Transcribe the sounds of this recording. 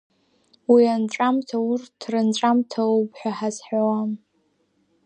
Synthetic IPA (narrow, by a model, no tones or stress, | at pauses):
wianʈ͡ʂʼamtʰaurtʰrɨnʈ͡ʂʼamtʰaopʰʼħʷᶣaħazħawam